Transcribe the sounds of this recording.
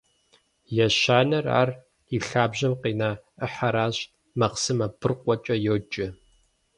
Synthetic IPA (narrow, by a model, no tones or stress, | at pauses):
jɛʃaːnɐra̰ːr | iɬaːbʑɐmqiːnaːəħaɾaːɕ | mɐqsɨmɐbɨrqʷʼɔt͡ʃʼɐjoːt͡ʃʼɪ